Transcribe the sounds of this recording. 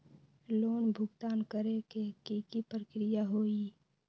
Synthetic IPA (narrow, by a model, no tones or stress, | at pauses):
loːnbʱʊɡt̪aːnkəɾekekikipɾəkɾɪjaɦoːi